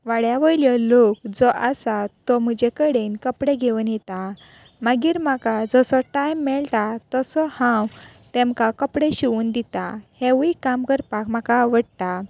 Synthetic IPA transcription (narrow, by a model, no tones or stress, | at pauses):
ʋaɽjaʋəjljəlokd͡zɔʔasat̪ɔm̤əd͡ʑekəɽenkəpɽeɡʱeʋunjɛt̪a | maɡiːɾm̤akad͡zɔsɔʈajmːɛɭt̪at̪ɔsɔhãw | t̪ɛ̃mkakəpɽeɕiund̪it̪aheʋikamkəɾpakmakaʋəɽt̪a